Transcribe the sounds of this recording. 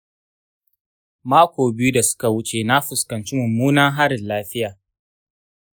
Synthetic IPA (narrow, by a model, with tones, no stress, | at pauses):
maː˦kʷoː˨bɪ˦ju˦da˨sʊ̥˦ka˨wʊ˦t͡ʃe˨na˦ɸʊ˨skɐ˨nt͡ʃi˦mʊ˨muː˦naː˦ɦa˦ɾɪ˨nlaː˦ɸɪ˦jaː˨